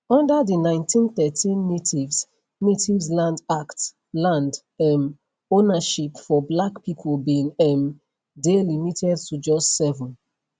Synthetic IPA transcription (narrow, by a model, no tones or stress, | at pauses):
ɔ̃ndaðinãɪ̃ntʰĩnθɛtʰĩnːetʰivs | netivslãndakt | lãnd | ɛm | onaʃipfɔblakpipʰolbĩŋɛm | delimitʰɛd̚tud͡ʒɔstsɛvɔ̃n